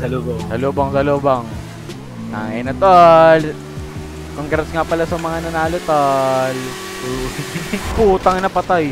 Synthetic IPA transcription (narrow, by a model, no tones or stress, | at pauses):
sɐlobosɐloːboŋsɐloːbɐŋ | nɐ̰ŋʔɛnɐt̪ol | koŋkɐɾɐsŋapɐlasɐmɐŋanɐnaːlot̪ol | puːt̪ɐŋnɐpɐt̪aj